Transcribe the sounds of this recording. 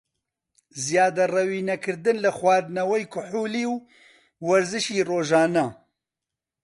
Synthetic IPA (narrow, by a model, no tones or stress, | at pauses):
zijaːd̪ɐrɐwiːnɐkʰɨɾd̪ɨnlɨxwɑːd̪nɐwɛjkʰʊħuːliːw | wɐɾzɨʃiːroːʒaːnɐ